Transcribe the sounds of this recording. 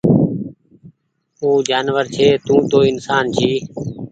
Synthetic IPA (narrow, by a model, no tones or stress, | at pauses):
uːd͡ʒaːnʋəɾt͡ʃʰeːt̪ũːt̪oːɪnsaːnt͡ʃʰiː